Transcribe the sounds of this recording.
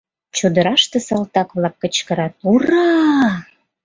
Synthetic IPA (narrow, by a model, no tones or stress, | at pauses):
t͡ɕud̪ə̆ɾɑʃt̪ĕsɑlt̪ɑkβlɑkːət͡ɕkəɾɑt̪urɑ